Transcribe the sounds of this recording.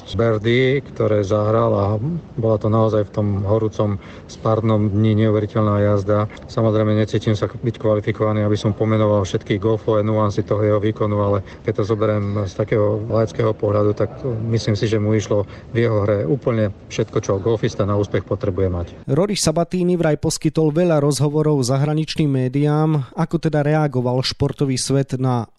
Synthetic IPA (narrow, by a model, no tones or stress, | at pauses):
bɛɾd̪ikt̪ɔɾɛːzaɦɾalabɔlat̪ɔnaɔzajft̪ɔmɦɔɾuːt͡sɔm | spaɾd̪nɔmd̪ɲiɲɛuʋɛɾicɛʎnajazd̪a | samɔzɾɛjmɛɲɛt͡siːcimsabickʋalifikɔʋaniabisɔmpɔmɛnɔʋalfʃɛt̪kiːɣɡɔlfɔɛnuansit̪ɔɦɔjɛɦɔʋiːkɔnualɛ | kɛc̚t̪ɔzɔbɛɾɛmst̪akɛːɦɔlajɛt͡skɛːɦɔpɔɦʎad̪ut̪akmisliːmsiʒɛmuiʃlɔ | vjɛɦɔɦɾɛuːpl̩ɲɛfʃɛt̪kɔt͡ʃɔɡɔlfist̪anauːspɛxpɔt̪ɾɛbujɛmac | ɾɔɾisabat̪iːniʋɾajpɔskit̪ɔlʋɛʎaɾɔzɦɔʋɔɾɔʊzaɦɾaɲit͡ʃniːmːɛːd̪iaːmakɔt̪ɛd̪aɾɛaɡɔʋalʃpɔɾt̪ɔʋiːsʋɛd̪na